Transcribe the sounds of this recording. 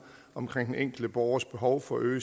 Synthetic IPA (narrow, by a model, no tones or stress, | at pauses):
ɒ̽mkʰʁeŋ̰d̥ʔeŋ̰ɡ̥l̩d̥əb̥ɒʊɐsb̥e̝ɦɒʊfɒ̽øː